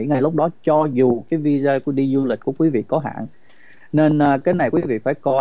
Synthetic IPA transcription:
ŋa˨˩jlʊ˦˥k͡p̚ɗɔ˨˦t͡ɕɔ˧zu˨˩kaː˨˦jvi˧zaː˧kəɗi˧zu˧li̟˨˩ku˧˩əkwi˨˦vḭ˧˨kɔ˨˦ɦa̰ː˧˨n | ne˧nː˧kaː˨˦jna˨˩jkwi˨˦vḭ˧˨faː˧˩jkɔ˧

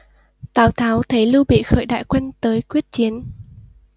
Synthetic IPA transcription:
t̪aː˨˩wt̪ʰaː˨˦wt̪ʰə˨˦jlu˧ɓḭ˧˨xə̰ː˧˩jɗa̰ː˧˨jkwɛ˧jnt̪əː˨˦jkwi˦˥ət̚t͡ɕi˨˦ən

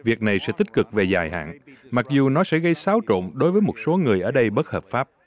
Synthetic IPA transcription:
vi˨˩ək̚na˨˩jsɛ̰˧˥t̪ï˥k̟̚kɨ˨˩k̚ve˨˩zaː˨˩jha̰ː˧˨nma˨˩k̚zu˨˩nɔ˨˦sɛ̰˧˥ɣə˧jsaː˨˦wt͡ɕo̰˧˨nɗo˨˦jvəː˨˦jmo˨˩t̚so˨˦ŋɨ˨˩əjʔəː˧˩ɗə˧jɓə˦˥t̚həː˨˩p̚faː˦˥p̚

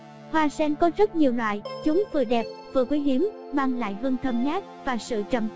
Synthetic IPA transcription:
hwaː˧sɛ˧nkɔ˨˦zə˦˥t̚ɲi˨˩əwnwa̰ː˧˨jt͡ɕʊ˨˦ŋ͡mvɨ̰˨˩ɗɛ˨˩p̚vɨ˨˩əkwi˨˦jɦi˨˦əm | maː˧ŋla̰ː˧˨jɦɨ˧ŋt̪ʰə˧mɲaː˦˥t̚vaː˨˩sɨ̰˧˨t͡ɕə˧˨˩m

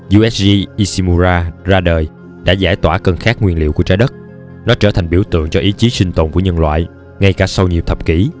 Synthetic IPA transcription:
zu˧ʔɛ˦˥s̚zi˧ʔi˧si˧mu˧zaː˧zaː˧ɗəː˨˩j | ɗa̰ː˧˥zaː˧˩jt̪waː˧˩kə˧nxaː˦˥k̚ŋwi˧ənlḭ˧˨əwku˧˩ət͡ɕaː˧˦jɗə˦˥t̚ | nɔ˨˦t͡ɕəː˧˩t̪ʰa˨˩jŋ̟ɓi˧˩əwt̪ɨ̰˧˨ŋt͡ɕɔ˧ʔi˨˦t͡ɕi˨˦sï˧ŋ̟t̪o̰˨˩nku˧˩əɲə˧nlwa̰ː˧˨j | ŋa˧jkaː˧˩sa˧wɲi˨˩wt̪ʰə˨˩p̚ki˧˩˦

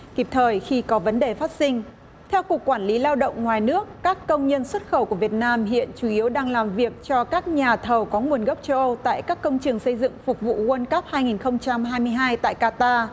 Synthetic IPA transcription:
ki˨˧˩p̚t̪ʰəː˨˩jxi˧kɔ˨˦və˨˦nɗe˨˩faː˦˥t̚sï˧ŋ̟ | t̪ʰɛ˧wku˨˩əkːwaː˧˩nli˨˦laː˧wɗə̰˧˨wŋ͡mŋwaː˨˩jnɨ˦˥əkːaː˦˥kːə˧wŋ͡mɲə˧nswə˦˥t̚xə˧˩wku˧˩əvi˨˩ət̚naː˧mɦḭ˧˨ənt͡ɕu˧˩ʔi˨˦əwɗaː˧ŋlaː˨˩mvi˨˩ək̚t͡ɕɔ˧kaː˦˥k̚ɲaː˨˩t̪ʰə˨˩wkɔ˨˦ŋu˨˩ənɣə˦˥p̚t͡ɕə˧wʔə˧wt̪a̰ː˧˨jkaː˦˥kːə˧wŋ͡mt͡ɕɨ˨˩əŋsə˧jzɨ̰˧˨ŋfʊ˨˩k͡p̚vṵ˧˨ɣə˧nkə˦˥p̚haː˧jŋi˨˩nxə˧wŋ͡mt͡ɕa˧mɦaː˧jmɨ˧əjɦaː˧jt̪a̰ː˧˨jkaː˧t̪aː˧

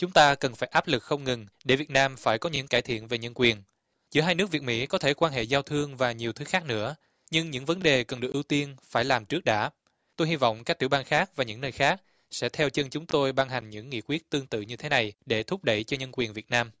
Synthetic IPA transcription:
t͡ɕʊ˨˦ŋ͡mt̪aː˧kə˨˩nfaː˧˩jʔaː˦˥p̚lɨ˨˩k̚xə˧wŋ͡mŋɨ˨˩ŋɗe˧˩vi˨˩ət̚naː˧mfaː˧˩jkɔ˨˦ɲɨ̰˧˥ŋkaː˧˩jt̪ʰḭ˧˨ənve˨˩ɲə˧nkwi˨˩ən | t͡ɕɨ˧˥əɦaː˧jnɨ˦˥ək̚vəmḭ˧˥kɔ˨˦t̪ʰe˧˩kwaː˧nɦḛ˧˨zaː˧wt̪ʰɨ˧əŋvaː˨˩ɲi˨˩əwt̪ʰɨ˨˦xaː˦˥k̚nɨ̰˧˥ə | ɲɨ˧ŋɲɨ̰˧˥ŋvə˨˦nɗe˨˩kə˨˩nɗɨ˨˩k̚ʔ̚i˧wt̪i˧ənfaː˧˩jlaː˨˩mt͡ɕɨ˦˥ək̚ɗa̰ː˧˥ | t̪o˧jhi˧vɔ̰˧˨wŋ͡mkaː˦˥k̚t̪i˧˩ɓaː˧nxaː˦˥k̚vaː˨˩ɲɨ̰˧˥ŋnəː˧jxaː˦˥k̚ | sɛ̰˧˥t̪ʰɛ˧wt͡ɕə˧nt͡ɕʊ˨˦ŋ͡mt̪o˧jɓaː˧nɦa˨˩jŋ̟ɲɨ̰˧˥ŋːḭ˧˨kwi˦˥ət̚t̪ɨ˧əŋt̪ɨ̰˧˨ɲɨ˧t̪ʰe˨˦na˨˩jɗe˧˩t̪ʰʊ˦˥k͡p̚ɗə̰˧˨jt͡ɕɔ˧ɲə˧nkwi˨˩ənvi˨˩ət̚naː˧m

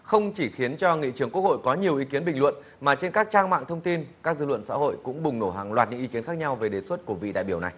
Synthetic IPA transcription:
xə˧wŋ͡mt͡ɕi˧˩xi˨˦ənt͡ɕɔ˧ŋḭ˧˨t͡ɕɨ˧˩əŋku˦˥ək̚ho̰˧˨jkɔ˨˦ɲi˨˩əwʔi˨˦ki˨˦ənɓï˨˩ŋlwə̰˧˨n | maː˨˩t͡ɕe˧nkaː˦˥k̚t͡ɕaː˧ŋma̰ː˧˨ŋt̪ʰə˧wŋ͡mt̪i˧nkaː˦˥k̚zɨ̰˧lwə̰˧˨nsa̰ː˧˥ho̰˧˨jkʊ̰˧˥ŋ͡mɓʊ˨˩ŋ͡mno˧˩ɦa˨˩ŋlwaː˨˩t̚ɲɨ̰˧˥ŋi˨˧˦ki˨˦ənxaː˦˥k̚ɲa˧wve˨˩ɗe˨˩swə˦˥t̚ku˧˩əvḭ˧˨ɗa̰ː˧˨jɓi˧˩əwna˨˩j

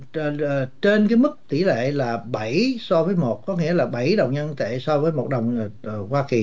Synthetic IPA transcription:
t͡ɕe˧nk̬aː˨˦jmɨ˦˥k̚t̪ḭ˧˩lḛ˧˨laː˨˩ɓa˧˩jsɔ˧vəː˨˦jmo˨˩t̚kɔ˨˦ŋḭ˧˥əlaː˨˩ɓa˧˩jɗə˨˩wŋ͡mɲə˧nt̪ḛ˧˨sɔ˧vəː˨˦jmo˨˩t̚ɗə˨˩wŋ͡mkwaː˧ki˨˩

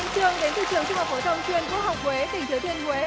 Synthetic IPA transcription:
t͡ɕɨ˧əŋɗe˨˦nt̪ʰɨ̰˧˨t͡ɕɨ˨˩əŋt͡ɕɨ˧hə˨˩p̚fo˧˩t̪ʰə˧wŋ͡mt͡ɕwi˧ənku˦˥ək̚hɦa˨˩wk͡p̚kwe˨˦t̪ï˧˩ŋt͡ɕɨ˨˧˩t̪ʰi˧ənkwe˨˦

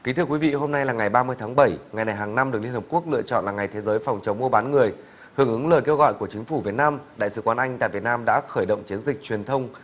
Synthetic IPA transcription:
ki˨˦t̪ɨ˧əkwi˨˦vḭ˧˨ɦo˧mna˧jlaː˨˩ŋa˨˩jɓaː˧mɨ˧əjt̪ʰaː˨˦ŋɓə˧˩jŋa˨˩jna˨˩jɦaː˨˩ŋna˧mɗɨ˨˩k̚li˧nhə˨˩p̚ku˦˥ək̚lɨ̰˧˨ət͡ɕɔ̰˧˨nlaː˨˩ŋa˨˩jt̪ʰe˨˦zəː˨˦jfa˨˩wŋ͡mt͡ɕə˨˦wŋ͡mmu˧əɓaː˨˦nŋɨ˨˩əj | hɨ˧˩əŋʔɨ˨˦ŋləː˨˩t̚ke˧wɣɔ̰˧˨jku˧˩ət͡ɕï˨˦ŋ̟fu˧˩vi˨˩ət̚naː˧mɗa̰ː˧˨jsɨ̰˧˦kwaː˨˦nʔa˧jŋ̟t̪a̰ː˧˨vət̚naː˧mɗa̰ː˧˥xəː˧˩jɗə̰˧˨wŋ͡mt͡ɕi˨˦ənzï˨˩k̟̚t͡ɕwi˨˩ənt̪ʰə˧wŋ͡m

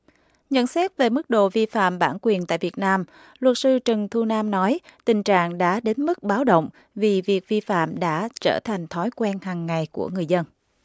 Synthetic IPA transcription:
ɲə̰˧˨nsɛ˦˥t̚ve˨˩mɨ˦˥k̚ɗo̰˧˨vi˧fa̰ː˧˨mɓaː˧˩nkwi˨˩ənt̪a̰ː˧˨jvi˨˩ət̚naː˧m | lwə˨˩t̚sɨ˧t͡ɕɨ˨˩ŋt̪ʰu˧naː˧mnɔ˨˦jt̪ï˨˩ŋ̟t͡ɕa̰ː˧˨ŋɗa̰ː˧˥ɗe˨˦nmɨ˦˥k̚ɓaː˨˦wɗə̰˧˨wŋ͡m | vi˨˩vi˨˩ək̚vi˧fa̰ː˧˨mɗa̰ː˧˥t͡ɕəː˧˩t̪ʰa˨˩jŋ̟t̪ʰɔ˨˦jkwɛ˧nhaː˨˩ŋːa˨˩jku˧˩əŋɨ˨˩əjzə˧n

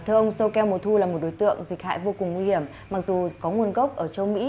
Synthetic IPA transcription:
t̪ʰəʔə˧wŋ͡msə˧wkɛ˧wmo˨˩t̚t̪ʰu˧laː˨˩mo˨˩t̚ɗo˨˦jt̪ɨ̰˧˨əŋzï˨˩k̟̚ha̰ː˧˨jvo˧kʊ˨˩ŋːwi˧hi˧˩əm | ma˨˩k̚zu˨˩kɔ˨˦ŋwu˧ənɣə˦˥wk͡p̚ʔəː˧˩t͡ɕə˧wmḭ˧˥

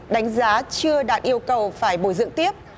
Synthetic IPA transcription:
ɗa˨˦jŋ̟zaː˨˦t͡ɕɨ˧əɗaː˨˩t̚ʔi˧əwkə˨˩wfaː˧˩jɓo˧˩jzɨ̰˧˨əŋt̪i˦˥əp̚

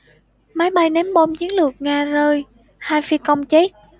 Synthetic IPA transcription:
ma˨˦jɓa˧jnɛ˨˦mɓo˧˩mt͡ɕi˨˦ənlɨ˨˩ək̚ŋaː˧˩zəː˧j | haː˧jfi˧kə˧wŋ͡mt͡ɕe˦˥t̚

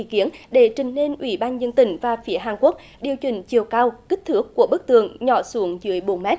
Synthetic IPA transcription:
ḭ˧˨ki˨˦ənɗe˧˩t͡ɕï˨˩ŋ̟ne˧nʔwḭ˧˩ɓaː˧nzə˧nt̪ï˧˩ŋ̟vaː˨˩fi˨˦əɦaː˨˩nku˦˥ək̚ | ɗi˨˩əwt͡ɕï˧˨˩ŋ̟t͡ɕi˨˩əwkaː˧wki˦˥k̟̚t̪ʰɨ˦˥əkːu˧˩əɓə˦˥k̚t̪ɨ̰˧˨əŋɲɔ˧˩su˨˦əŋzɨ̰˧˦əjɓo˨˩˦nmɛ˦˥t̚

